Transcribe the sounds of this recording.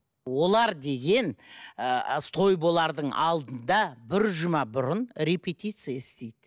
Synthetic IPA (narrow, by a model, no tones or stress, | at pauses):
wo̞lˠɑɾd̪e̞ɡʲe̞n | st̪ʰo̞jbo̞lˠɑɾd̪əɴɑ̰lˠd̪ənd̪ɑbɪɾʒʊmɑbʊɾənɾe̞pʲet̪ijt̪sɨjaɪst̪e̞jd̪ɪ